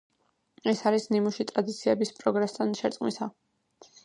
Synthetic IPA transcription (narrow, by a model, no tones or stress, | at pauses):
ɛsaɾisnimuʃit̪ʼɾad̪it̪sʰiɛbispʼɾɔɡɾast̪ʰanʃɛɾt̪ʼqʼmisa